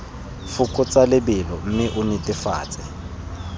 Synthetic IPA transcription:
fʊkʼʊt͡sʼalɪbɪlɔm̩mɪʔʊnɪtʼɪfa̰ːt͡sʼɪ

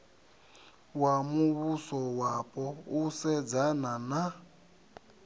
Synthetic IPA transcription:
wamuβusɔwapʼɔusɛd͡zanana

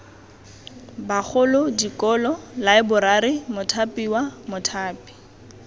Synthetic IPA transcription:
baχʰʊlʊdikɔlɔlaɪbʊɾaɾɪmʊtʰapʼiwamʊtʰaːpi̥

